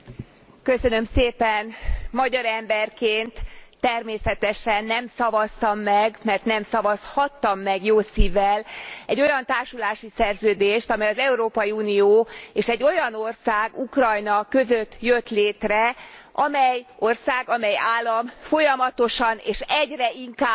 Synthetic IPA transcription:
kø̞sønø̞mseːpɛnmɒɟɒɾɛmbɛrkeːnt̪ːɛrmeːsɛt̪ɛʃɛnːɛmsɒvɒst̪ɒmːɛɡmɛrt̪nɛmsɒvɒshɒt̪ːɒmːɛɡjoːsiːvɛlɛɟːo̞jɒnt̪aːrʃulaːʃisɛrzøːd̪eːʃt̪ɒmɛjɒzɛuɾoːpɒjiuːnijoːeːʃɛɟːo̞jɒnorsaːɡukrɒjnɒkø̞zøt̪ːjøt̪leːt̪rɛʔɒmɛjo̞rsaːɡɒmɛjaːlːɒmfo̞jɒmɒt̪o̞ʃɒnḛːʃɛɟrɛiŋkaː

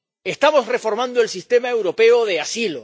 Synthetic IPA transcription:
e̞st̪amo̞sre̞fo̞ɾmãnd̪oelsist̪e̞mae̞wɾo̞pe̞oðe̞asilo

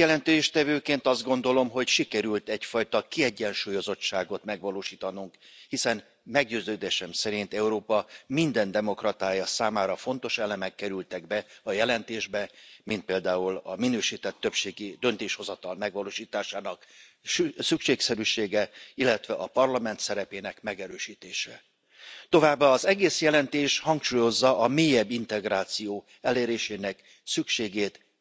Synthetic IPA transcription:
jɛlɛnt̪eːʃt̪ɛvøːkeːnt̪ɒzd̪ɡo̞nd̪o̞lo̞mɦo̞cʃikɛɾylt̪ɛcfɒjt̪ɒkiɛɟːɛnʃuːjo̞zo̞tːʃaːɡo̞t̪mɛɡʋɒloːʃiːt̪ɒnuŋkhisɛn | mɛɡɟøːzøːd̪eːʃɛmsɛɾint̪ɛuɾoːpɒmind̪ɛnd̪ɛmo̞krɒt̪aːjɒsaːmaːɾɒfo̞n̪t̪o̞ʃɛlɛmɛkːɛɾylt̪ɛɡbɛɒjɛlɛnt̪eːʒbɛmint̪̚peːld̪aːulɒ̰minøːʃiːt̪ɛt̪ːøpʃeːɡid̪ø̞nt̪eːʃho̞zɒt̪ɒlmɛɡʋɒloːʃiːt̪aːʃaːnɒk | sykʃeːksɛɾyːʃeːɡɛilːɛt̪ʋɛʔɒpɒrlɒmɛnt̪sɛɾɛpeːnɛkmɛɡɛɾøːʃiːt̪eːʃɛ | t̪o̞vaːbːaːzɛɡeːsjɛlɛnt̪eːʃhɒŋkʃuːjo̞zːɒʔɒmeːjɛbːint̪ɛɡraːt̪sijoː | ɛleːɾeːʃeːnɛk | sykʃeːɡeːt̪

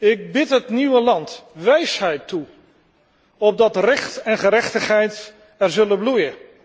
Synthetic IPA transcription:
ɪk̚bɪtɦətniwəlɑntʋɛjsɦɛjtːu | ɔb̚dɑtrɛχtɛnχəɾɛχtəχɦɛjt | ɛrzɵlənblujə

